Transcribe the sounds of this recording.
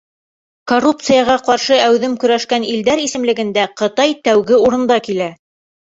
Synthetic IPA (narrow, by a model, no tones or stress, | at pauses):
korupt̪sɨjɑʁɑqɑɾʃɤæwðɘmkɵ̆ɾæʃkænild̪æɾisɘ̆mlɘ̆ɡɘ̆nd̪æqɤ̆t̪ɑjt̪æwɡɘuɾɤ̆nd̪ɑkilæ